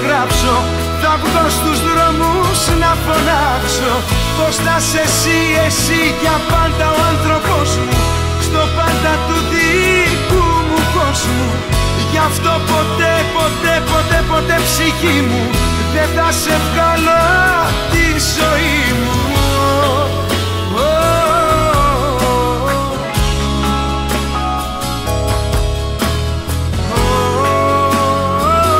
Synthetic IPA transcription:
ɣɾɐpso̞ | θɐvðost̪uzðɾomuznɐfolɐkso̞ | post̪ɐse̞si | esiʝɐpɐnd̪ɐoɐnθɾo̞po̞zmu | st̪o̞pɐnd̪ɐt̪uði | kumuko̞zmu | ʝɐft̪o̞po̞t̪epo̞t̪e̞po̞t̪e̞po̞t̪e̞psiçimu | ðeθɐse̞vɣɐlo | t̪izo̞ii | mu | o

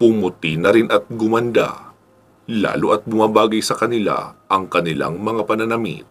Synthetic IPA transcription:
pʊmʊt̪inɐɾɪnʔɐt̪̚ɡʊmɐnd̪a̰ | la̰ːloʔɐt̪̚bʊmabaːɡɐjsɐkɐnɪla̰ʔɐŋkɐnɪla̰ŋmɐŋapɐnɐnɐmɪ̰t̪̚

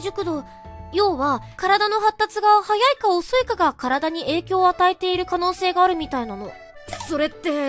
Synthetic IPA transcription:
ʑɨkɯ̟d̪o̞ | jo̞ːβakaɾad̪ano̞ɦat̪ːat͡sɨɡahajaikaosoikaɡakaɾad̪aɲ̟ie̞ːkʲo̞ːat̪aet̪e̞iɾɯ̟kano̞ːse̞ːɡaːɾɯ̟mʲit̪ainano̞̰ | so̞ɾe̞t̪ːe̞

